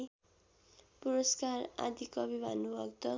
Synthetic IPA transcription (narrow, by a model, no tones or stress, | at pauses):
puɾoskara̰d̪ʱikʌbibʱa̰nubʱʌkt̪ʌ